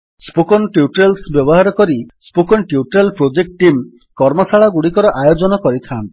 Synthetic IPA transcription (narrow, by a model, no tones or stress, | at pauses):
spokɔnʈiuʈɾelsbjɔbɔɦaɾɔkɔɾispokɔnʈiuʈɾelpɾod͡ʒek̚ʈʈim | kɔɾmɔsaɭaɡuɽikɔɾɔʔajod͡ʒɔnɔkɔɾit̪ʰan